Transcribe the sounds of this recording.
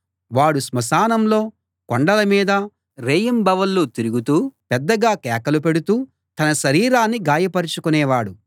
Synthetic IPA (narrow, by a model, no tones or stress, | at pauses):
ʋaːɽusmɐsaːnɐmlo̞ː | koɳɖɐlɐmiːd̪ɐ | ɾeːjɐmbɐʋɐlːoːt̪iɾuɡut̪uːpɛd̪ːɐɡaːkɛːkɐlupeɽut̪uː | t̪ɐnɐʃɐɾiːɾaːnːiɡaːjɐpɐɾit͡ʃukunɛːʋaːɽu